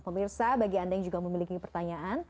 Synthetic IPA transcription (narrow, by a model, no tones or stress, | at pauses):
pəmirsabaɡiandajaŋd͡ʒuɡaməmilikikəpərt̪aɲaʔan